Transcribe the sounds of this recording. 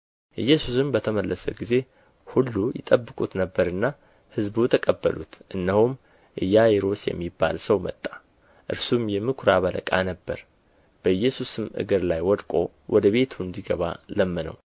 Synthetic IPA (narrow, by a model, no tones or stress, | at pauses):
ʔɨjːɛsusɨmbət̪ʰəməlːəsə̰ɡize̞ | hulːujɪt̪ʼəbːɨkʼut̪nəbːəɾɨnːa | hɨzbut̪ʰəkʼəbːə̰lṵt̪ʔɨnːəhum | ʔɨjːajeɾo̞sjɛ̰mːibːa̰lsəwmət̪ʼːḁ | ʔɨɾsumjɛmɨkʰɾaβəlʔə̰kʼanəbːəɾ | b̥əɨjːɛsusɨmʔɨ̰ɡɨɾlajwɔd̪kʼo̞̰ | wʔɔd̪əβe̞t̪ʰuɨnd̪iɡəβa̰ləmːənə̰w